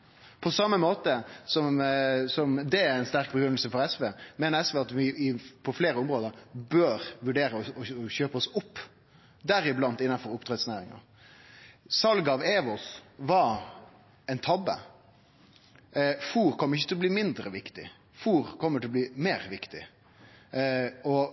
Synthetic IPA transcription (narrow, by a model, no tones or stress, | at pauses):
pʰɔsɑmːəmoːt̪əsɔmsɔmd̪ɛæɛɪnst̪æɾk̚bəɡɾʏnəlsəfɔɾɛsʋeːmeːnəɾɛsʋɛːɑt̪ʋɪɪpʰɔfleːɾəʊmɾoːd̪əɾbøːɾʋʉɖeːɾəɔɔçøːpəɔsʊpː | d̪æɾɪblɑnt̪ɪnːɑnfɔɾʊpt̪ʰɾɛt̪snæːɾɪŋɑ̰ɾ | sɑlɡɑɑʋeːʋɔsʋɑɾ | ɛɪnt̪ʰɑbːə̰ | fuːɾkʰɔmːəɾɪçːət̪ɪlɔb̪liːmɪnd̪ɾə̰ʋɪkt̪ɪ̰ | fuːɾkʰɔmːəɾʈʰɪlɔb̪liːmeːɾʋɪkt̪ɪ̰ | ɔ